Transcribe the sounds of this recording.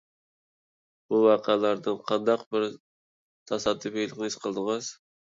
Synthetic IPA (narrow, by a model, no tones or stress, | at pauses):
b̥uwɑqʰælˠɑɾd̪ɨnqʰɑnd̪ɑqbɪɾ | t̪ʰɑsɑd̪ːɨfejlˠɪqnɪisqʰəlˠd̪ɨŋɨz̥